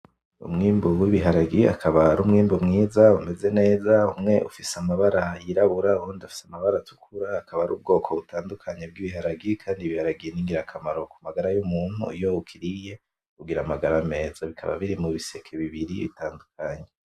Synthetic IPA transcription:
ṵmŋiːmbuwiβiɦaɾaɡia̰kʰaβaɾumŋiːmbumŋiːzaume̞ze̞ne̞ːzaumŋe̞ʔṵfisamaβaɾajiɾaβuɾauhonidafi̥samaβaɾatu̥kʰuɾaːkʰaβaɾṵːb̚ɡo̞ːkʰo̞βutʰaːndukʰaɲe̞b̚ɡiβiɦaɾaɡikʰaːndiβihaɾaɡijeniːŋɡiɾakʰamaɾo̞kumaɡaɾajumuːn̥hṵijoukʰiɾije̞ | kuɡiɾamaɡaɾame̞ːzaβikʰa̰βa̰βiɾimuβise̞kʰeβiβiɾiβḭtaːndukʰaɲe

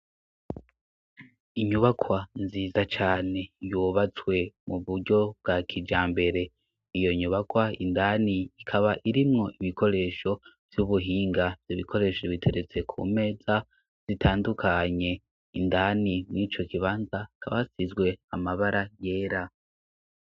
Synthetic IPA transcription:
iɲuβakʰwanziːzat͡ʃaːne̞juβat͡swe̞muβuɾɟo̞b̚ɡakʰid͡ʒaːmbe̞ɾe̞ | ijo̞ɲuβakwaindaːniikʰaβaʔiɾimŋo̞ʔiβikʰo̞ɾe̞ːʃo̞v̥juβuɦiːŋɡavjiβikʰo̞ɾe̞ːʃoβitʰe̞ɾe̞t͡se̞kʰṵme̞ːza | z̥itʰaːndukʰaɲe̞ | indanimŋiːt͡ʃo̞kiβaːnzakʰaβasizɡwe̞amaβaɾʔaje̞ːɾa

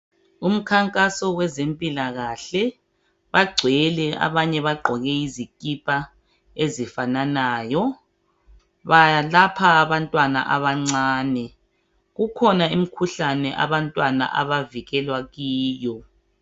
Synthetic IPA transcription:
um̩kʰaŋkʼasɔwɛzempʼilaɣaɬɛ | βaɡ͡ǀʱɛlɛa̰βaɲɛβaɡ͡ǃʱɔɣɛizikʼipʼa | ezifananaːjɔ | βajalapʰaːβantʼwana̰ʔa̰βaŋ͡ǀaːnɛ | ɣukʰɔnaim̩kʰuɬanɛʔa̰βantʼwana̰ʔa̰βaviɣɛlwaɣiːjɔ

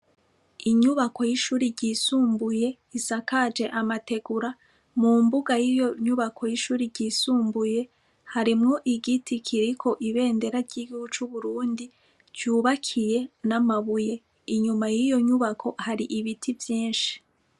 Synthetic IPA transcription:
iɲuβako̞jiʃuːɾiɾɟiːsuːmbuje̞ | isakad͡ʒe̞ʔamate̞ɡuɾa | mumbuɡajijo̞ɲuβakʰo̞jiʃuːɾiɾɟiːsuːmbuje̞ | haɾimŋo̞ʔiɡitʰikʰiɾikʰo̞ʔiβe̞ːnde̞ɾaɾɟiɡuɡut͡ʃuβuɾuːndi | d͡ʒuːβakʰije̞namaβuje | iɲumajijo̞ɲuβakʰo̞haɾiʔiβitʰivjiːnʃi̥

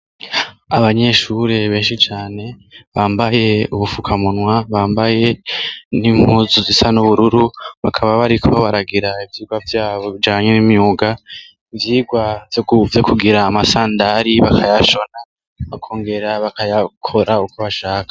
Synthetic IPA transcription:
aβaɲe̞ʃuɾe̞βe̞ːnʃit͡ʃaːne̞βaːmbaje̞uβufukʰamunwaβaːmbaje̞niŋ̥huzuzisanuβuɾuɾuβakʰaβaβaɾikʰo̞βaɾaɡiɾaivjiːɡwavjaːβo̞βid͡ʒaːɲenimiuɡa | ivjiːɡwavjouvjokuɡiɾaːmasaːndaɾiβakʰajaʃo̞na | βakʰo̞ːŋɡe̞ɾaβakajakʰo̞ɾaukʰoβaʃaːkḁ

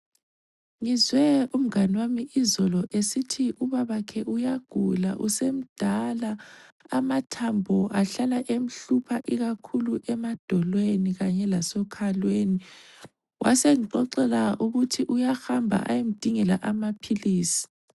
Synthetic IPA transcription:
ŋizwɛum̩ŋanwamiʔizɔlɔʔesitʰiʔuβaβakʰɛʔujaɡ̥ʱula̰ʔusem̩d̥ʱalaː | matʰambʱɔʔaɬalaʔem̩ɬupʰaʔiɣakʰuluʔɛmad̥ʱɔlweniɣaɲɛlasɔkʰalweːni | wʔa̰seŋiǃɔǃɛlauɣutʰiʔujaxambʱa̰ʔa̰jem̩d̥ʱiŋɛlaʔamapʰiliːsi̥

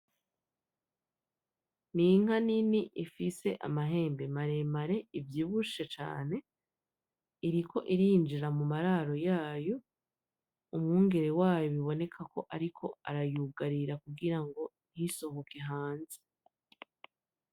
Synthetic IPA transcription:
niŋ̥aniniʔifise̞ʔa̰maɦe̞ːmbe̞maɾe̞maɾe̞ivjiːβuʃet͡ʃa̰ːne̞ | iɾikʰo̞ʔiɾiːnd͡ʒiɾamumaɾaɾo̞jaːjo̞ | umŋuːŋɡe̞ɾe̞waːjoβiβo̞ne̞kʰakʰo̞ʔaɾikʰo̞aɾajuɡaɾiɾakuɡiɾaŋɡo̞n̥hiso̞hoke̞ɦaːnze

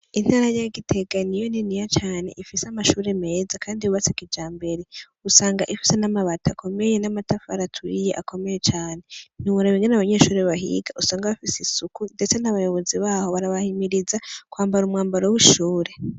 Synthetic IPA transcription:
in̥haːɾajaɡitʰe̞ɡanijo̞ninijat͡ʃaːne̞̰ʔifisamaʃuːɾe̞me̞ːzakʰaːndiuβat͡sekid͡ʒaːmbe̞ɾe̞ | usaːŋɡaʔifi̥se̞namaβatʰakʰo̞me̞je̞namatafaɾatʰwijeʔako̞mejet͡ʃaːne̞niuɾaβiŋɡenaβaɲe̞ːʃuːɾeβaɦḭɡaʔusaːŋɡaβafisisukunde̞t͡senaβajo̞βo̞ziβaːho̞βaɾaβahimiɾizakwaːmbaɾumŋaːmbaɾowiʃuːɾe̞

